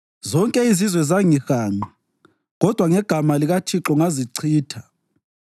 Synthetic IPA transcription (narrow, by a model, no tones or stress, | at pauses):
zɔŋkʼɛizizwɛzaŋixaːŋ͡ǃi | ɣɔd̥ʱwaŋɛɡ̥ʱamaliɣat͡ʃʰiǁɔŋaziǀʰiːtʰḁ